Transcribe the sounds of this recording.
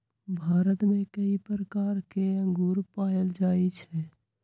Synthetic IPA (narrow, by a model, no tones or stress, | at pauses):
bʱaːɾət̪mẽkəipɾəkaːɾkeə̃ŋɡuːɾpaːəld͡ʒaːit͡ʃʰɛ